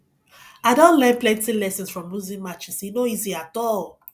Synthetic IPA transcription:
aɪdõntlɛ̃nplɛ̃ntilɛsə̃nsfɹɔ̃mːuzĩmat͡ʃĩsinoiziatɔl

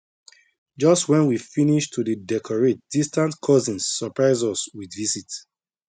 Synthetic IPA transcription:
d͡ʒɔstwɛ̃nwifiniʃtʰudədɛkʰɔɹet̚d̥istãntkʰɔzĩnsːɔpɹaɪzɔswidvisit

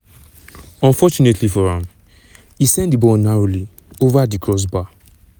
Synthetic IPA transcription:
ɔ̃nfɔt͡ʃunetlifɔɾãm | isɛ̃ndibɔnaɹoli | ovadikɹɔs̬ba

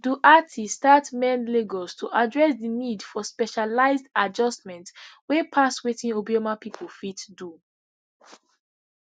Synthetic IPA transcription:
duʔatʰistatmɛ̃nleɡɔstʰuʔadɹɛsdinidfɔspɛʃalaɪzdad͡ʒɔstmɛ̃ntwepʰaswetĩnobiɔmapipʰolfitdu

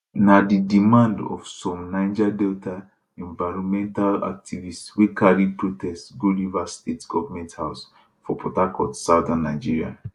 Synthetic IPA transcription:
nadidimãndɔ̰fsɔmnãɪd͡ʒadɛlta | ɛ̃ɱvaɪɹɔ̃nmɛ̃ntala̰k̚tivistswekaɾid̚pɹotɛstɡolivastetɡ̥ɔvamɛ̃nthaʊs | fɔpɔtakɔtsaʊdãnːaɪd͡ʒiɹia̰

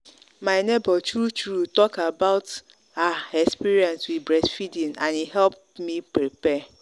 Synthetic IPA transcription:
maɪnebɔtɹut͡ʃɹutɔkabaʊt | aɛkspiɾiɛ̃nswibɹɛsfidĩnãniɦɛlp̚ | mipɹipɛ

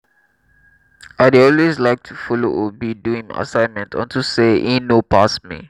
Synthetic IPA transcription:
ajdɔlweslajk̚tʰufɔlo̰ʔɔbiduĩŋa̰sãɪ̃nmɛ̃ntʰɔ̰̃ntʰuseʔĩnopʰasmḭ

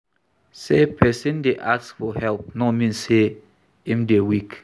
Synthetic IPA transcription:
sepʰɛsĩndeʔaksfɔhɛlp̚nɔmĩnse | ĩmdewik

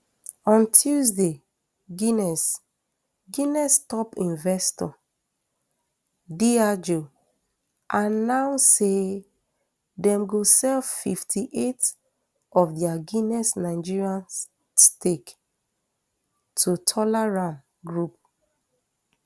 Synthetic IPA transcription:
ɔ̃ntʰuzde | ɡinɛs | ɡinɛstɔpĩnvɛstɔ | diad͡ʒo | ʔãnːawse | dɛ̃mɡosɛlfiftʰiʔet | ɔfdɛaɡinɛsnaɪd͡ʒiɹiãn | stek | tʰutʰɔlɛɹãn | ɡɹup̚

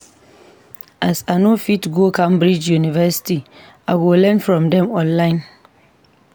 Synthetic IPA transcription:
ʔasanõfitɡokʰãmbɾid͡ʒjunivɛsi̥ti | awɪlɛ̃nfɹɔ̃mdɛ̃mɔ̃nlãɪ̃n

